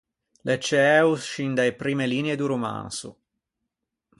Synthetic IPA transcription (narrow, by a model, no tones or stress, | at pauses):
lʔet͡ʃeɛusʃind̪aepɾiːmeliːneed̪uɾoma̰nsṵ